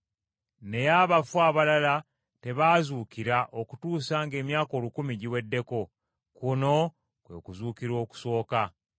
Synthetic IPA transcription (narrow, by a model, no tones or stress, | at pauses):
ne̞jaβafuaːβalala | te̞βaːzuːkiɾaʔoku̥tuːsaŋɡe̞ːmjaːko̞ːlukumiɟiwe̞dːe̞ko̞ | kuno̞ | kwe̞̰kuzuːkiɾo̞ːku̥so̞ːka